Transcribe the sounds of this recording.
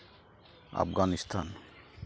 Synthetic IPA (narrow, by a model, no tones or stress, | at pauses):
a̰pɡanist̪ʰan